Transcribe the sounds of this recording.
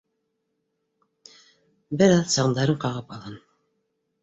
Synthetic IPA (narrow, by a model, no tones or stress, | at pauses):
bɘɾɑðsɑʁnd̪ɑɾɤɴqɑʁɤpɑlˠʁɑn